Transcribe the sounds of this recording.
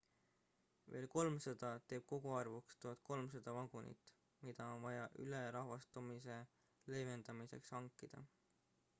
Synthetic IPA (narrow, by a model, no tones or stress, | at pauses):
ve̞ːlko̞lmsɑd̪̥ɑt̪e̞ːb̥̚ko̞ɡ̥uɑrvukst̪oɑt̪̚ˑko̞lms̬ɑd̪̥ɑvɑɡ̥unḭt̪ːˑ | mid̪̥ɑonvɑjɑʔyleɾɑɦvɑst̪umise̞ | le̞jve̞nd̪̥ɑmise̞̰kshɑŋkːˑid̪̥ɑ̰